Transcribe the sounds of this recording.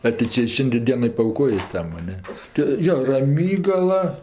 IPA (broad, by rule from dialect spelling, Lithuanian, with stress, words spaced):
ɐ tɐɪ ˈt͡ʃʲɛ ˈʃʲɪnʲdʲeː ˈdʲiɛnoː pɐɐʊˈkoːjeː ˈtɐm ɐ ˈnʲɛ tʲɪ ˈjoː rɐˈmʲiːɡɐlˠɐ